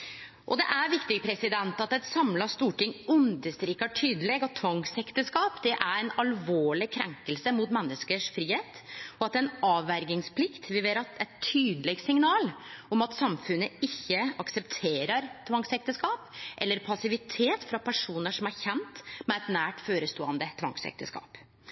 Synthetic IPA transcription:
ʔɔd̪ɛʔæɾʋɪkt̪ɪɡpʰɾɛsɪd̪ɛnt̪ɑt̪ɛt̪sɑmlɑst̪uːʈɪŋːʉnd̪əst̪ɾiːkɑʈʰyːd̪əleɡɑt̪t̪ʰːʋɑŋsɛkt̪əskɑːpd̪ɛʔæɾɛnɑlʋoːɭɪkʰɾɛŋkəlsəmʊt̪mɛnːəskəʂfɾiːheːt̪ɔɑt̪d̪ɛnɑːʋæɾɡɪŋspʰlɪkt̪ʋɪʋeːɾɑt̪ɛt̪ʰyːd̪əlɛɡsɪŋnɑːlɔmɑt̪sɑmfʉnːəɪçːəɑksɛpt̪ʰeːɾəɾt̪ʰʋɑŋsɛk̚t̪əskɑːpʔɛlːəɾpʰɑsɪʋɪt̪ʰeːt̪fɾɑpʰæʂuːnəʂɔmæɾçɛnt̪mɛɛt̪næːʈføːɾəst̪oːɑnd̪ət̪ʰʋɑ̰ŋsɛ̰k̚t̪ʰəskɑ̰ːp

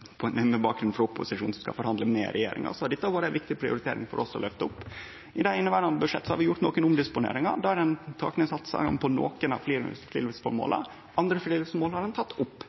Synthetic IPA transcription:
pʰɔɛnɛmːəbɑːk̚ɡɾʉnfɾʊpːʊsɪʂuːn̩sɔmskɑ̰fɔɾhɑnd̪əmɛ̰ɾʔɛ̰jḛːɾɪ̰ŋɑ̰sɔɑɖɛt̪ːəbɑːɾəæɛnʋɪkt̪ɪpʰɾɪʊ̰ɾɪt̪ʰeːɾɪ̰ŋfɔ̰ɾʔɔsɔlœft̪əʊpː | ɪd̪æɪnːəʋæːɖɑnd̪əbʉʂɛ̰t̪ːsɔhɑɾʋɪjʊʈ̪noːkənʊmd̪ɪspʊnḛːɾɪŋɑ̰d̪ɑæɾɛnt̪ʰɑ̰ːknɪŋsɑt̪sɑ̰ɡɑ̰mpʰɔno̰ːkənɑ̰ʋfliːɾflḭːlsfɔɾmo̰ːlə̰ | ʔɑnd̪ɾəfliːlɪsɔɾmoːlhɑɾɖɛnt̪ʰɑt̪ːʊpː

